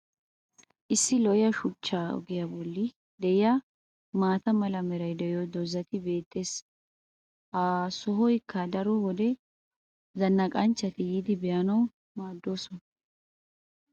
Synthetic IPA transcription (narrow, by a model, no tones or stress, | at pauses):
ʔɪsːɪlɔjɐʃʊt͡ʃːaːɔ̰ɡɪjɐbɔlːɪ | d̪ɛjɪjɐ | maːt̪ɐmɐlɐmɛɾɐjd̪ɛjɔd̪ɔzːɐt̪ɪbe̞ːt̪ʼːe̞ːs | aːsɔɦɔjɪkːad̪ɐɾɔhɔd̪ɛ | zɐnːɐkʼɐnt͡ʃːɐt̪ɪjid̪ɪbɛjɐnɐw | maːd̪ːo̞ːsɔn